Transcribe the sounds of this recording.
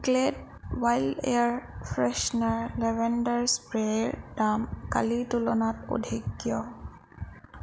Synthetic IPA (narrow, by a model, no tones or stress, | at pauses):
kled̚ | wajldḛjaɹpʰɹɛʃnaɹlɛbɛndaɹspɹeɹdamka̰litulɔnato̰dʱikːjɔ